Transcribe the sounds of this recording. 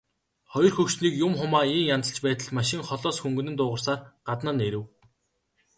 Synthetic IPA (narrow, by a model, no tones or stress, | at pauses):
χɔjɞ̆rxɵkt͡ɕniːkjʊmχʊmaːiːŋjant͡sə̆ɬt͡ɕpæːt̪ə̆ɮmaʃɪ̆ŋχɔɮɔːsxuŋɡɵ̆nɘ̆nt̪ʊːʁə̆rsaːrɢ̥at̪nə̆neɾɘ̆w